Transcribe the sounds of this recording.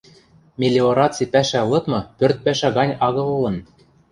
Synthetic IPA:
mʲelʲeoɾɑt͡sipæʃælɤ̆t̪mɤ̆pørt̪̚pæʃæɣɑnʲɑɣɤ̆lˠɤ̆lɤ̆n

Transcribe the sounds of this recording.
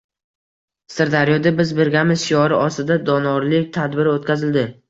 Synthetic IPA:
sɪɾd̪aɾijɒd̪abɪzbɪɾɡʲamɪzʃiɒɾɪʔɒst̪ɪd̪ad̪ɒnɒɾlɪk̚ʲt̪ʰad̪bɪɾot̪̚kʲʰazɪld̪ɪ

